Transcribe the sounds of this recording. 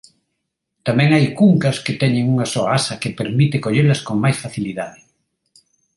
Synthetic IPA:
t̪amɛ̃ŋajkuŋkɐsket̪ɛɲeŋuŋasɔaasɐkepeɾmit̪ekoʎelɐskoŋmajsfaθiliðaðɪ

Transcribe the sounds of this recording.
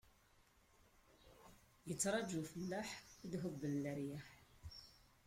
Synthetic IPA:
jət͡sːɾˤɑd͡ʒufəlːaħðɦəbːənləɾjaħ

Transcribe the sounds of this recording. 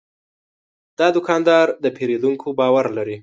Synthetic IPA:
d̪̥ɑd̪ʊkɑnd̪ɑɾd̪əpʰeɾed̪uŋkʰobɑwaɾlaɾi

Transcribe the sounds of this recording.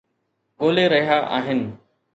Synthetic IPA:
ɠoːleːɾəɦiaːʔa̰ːɦɪn

